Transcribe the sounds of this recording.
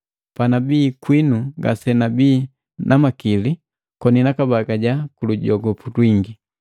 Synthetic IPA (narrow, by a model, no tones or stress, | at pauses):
panabiːkwinuɡa̰sɛnabiː | nʔamakili | kɔninakabaɡaɟakuluɟɔɡɔputwiŋɡi